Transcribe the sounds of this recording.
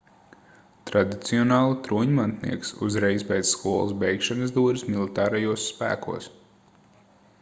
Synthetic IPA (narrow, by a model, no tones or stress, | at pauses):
t̪ɾad̪it̪siɔnɑːlˠut̪ɾuːɲmant̪nḭɛksṵzɾɛjspɛjd̪sskuɔlˠṵsbɛjkʃanɨzd̪uːɾismilˠit̪ɑːɾajuɔsːpæ̰ːkṵɔs